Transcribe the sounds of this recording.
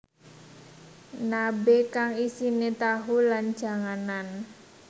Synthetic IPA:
nabekaŋisinet̪aɦulan̥d͡ʒa̤ŋanan

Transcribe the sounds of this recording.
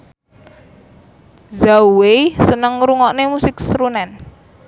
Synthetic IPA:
zauwesənəŋɾuŋɔʔnemusɪksɾunɛn

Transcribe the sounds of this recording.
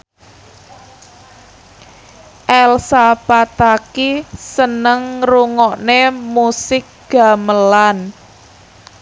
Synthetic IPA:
ʔɛlsapat̪akisənəŋruŋɔʔnemusɪk̚ɡ̥a̤məlan

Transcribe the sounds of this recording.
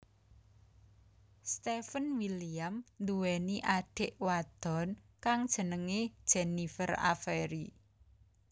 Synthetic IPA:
st̪efənwilijamnd̪uwɛniʔaɖ̥ɪ̤ʔwad̪̥ɔ̤nkaŋd̥ʒ̥ə̤nəŋed̥ʒ̥enifəra̰fɛɾi

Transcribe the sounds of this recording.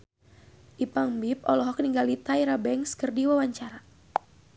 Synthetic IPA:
ʔipaŋbip̚ɔlɔɦɔk̚niŋɡalit̪aiɾabɛŋskərdiwawaɲt͡ʃaɾa

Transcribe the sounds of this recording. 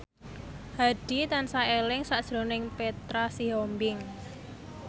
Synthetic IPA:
haɖ̥i̤t̪ansaelɪŋsaʔd̥ʒ̥ɾo̤nɪŋpet̪ɾasiɦombɪŋ

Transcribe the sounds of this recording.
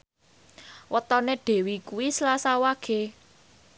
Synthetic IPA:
wʔət̪ɔneɖ̪̥e̤wikuwisəlasawaɡ̥e

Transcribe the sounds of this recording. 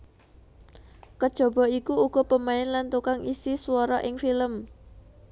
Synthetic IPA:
kəd̥ʒ̥ɔ̤b̥ɔ̤ikuuɡ̥ɔ̤pəmaɪnlant̪ukaŋʔisisuwɔɾɔʔɪŋfiləm

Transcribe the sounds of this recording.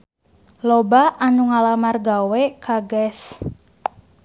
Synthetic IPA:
lɔbaʔanuŋalamarɡawɛkʰaɡɛs

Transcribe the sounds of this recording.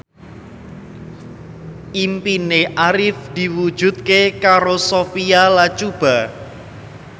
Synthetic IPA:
impineʔaɾɪfd̪̥i̤wud̥ʒ̥ṳt̪̚kekaɾosofialat͡ʃub̥a̤

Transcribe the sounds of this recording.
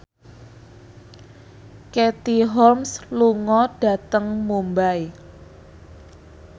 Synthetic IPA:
ket̪iɦɔrmsluŋɔɖ̥a̤t̪əŋmumbaj

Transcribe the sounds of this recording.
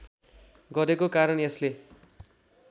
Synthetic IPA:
ɡʌɾekokaɾʌnesle

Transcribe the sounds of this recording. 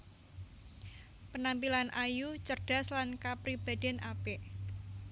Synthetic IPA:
pənampilanʔajut͡ʃərd̥a̤slankapɾib̥a̤d̥ɛnʔapeʔ

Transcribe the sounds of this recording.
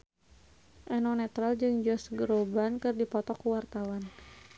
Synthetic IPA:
ʔɛnɔnɛt̪ɾald͡ʒɨŋd͡ʒɔsɡəɾobankɨrdipɔt̪ɔkuwart̪awan

